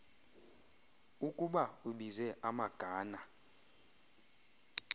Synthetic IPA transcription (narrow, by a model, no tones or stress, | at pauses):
ukʼuɓauɓizɛʔamaɡ̥ʱaːna